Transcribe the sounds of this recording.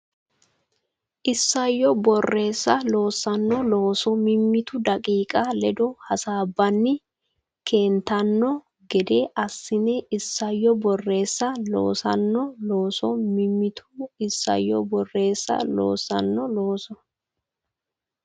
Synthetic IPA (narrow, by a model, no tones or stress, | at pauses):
ʔɪsːɐjːɔbɔrːe̞ːsːɐlo̞ːsːɐnːɔlo̞ːsɔmɪmːɪt̪ʊd̪ɐkʼiːkʼɐlɛd̪ɔhɐsaːbːɐnːɪ | kʰe̞ːnt̪ɐnːɔ | ɡɛd̪eʔɐsːɪnɛɪsːɐjːɔbɔrːe̞ːsːɐlo̰ːsɐ̰nːɔlo̞ːsɔmɪmːɪt̪ʰʊ̥ɪsːɐ̰jːɔbɔrːe̞ːsːɐ̰lo̰ːsɐ̰nːɔlo̞ːsɔ